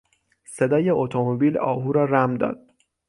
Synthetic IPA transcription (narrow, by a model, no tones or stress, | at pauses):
se̞d̪ɒːje̞ot̪ʰomobiːlɒ̰ːɦuːɾɒːræmd̪ɒ̰ːd̪̥